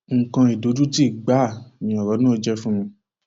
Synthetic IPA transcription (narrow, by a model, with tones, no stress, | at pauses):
ŋ̩˨kã˧i˨do˨˦du˦ti˦˨ɡ͡ba˦˨mĩ˧ɔ˨ɾɔ˨˦nũ˦o˧d͡ʒɛ˦fũ˦mĩ˧